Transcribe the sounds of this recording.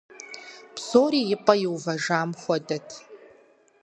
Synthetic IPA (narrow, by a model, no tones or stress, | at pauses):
psoːɾiːjɪpʼɐjɪwvɐʐaːmχʷɔdɐtʰ